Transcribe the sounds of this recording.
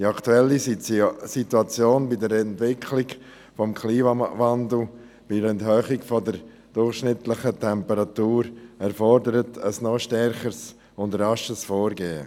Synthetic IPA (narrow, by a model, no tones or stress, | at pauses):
d̥iɑktuɛlːisituat͡sjoːnbidəɾɛntvɪkʰlɪɡ | fɔmkʰliːmavandl̩ | b̥iɾɛnthøːχɪɡfɔdəɾ | d̥ʊrχʃnɪtlɪχətʰɛmpəɾat̪uːɾɛɾfɔɾdəɾətʰəsnɔʃtɛɾχəs | ʊndrɑʃəsfoːɾɡeːə̰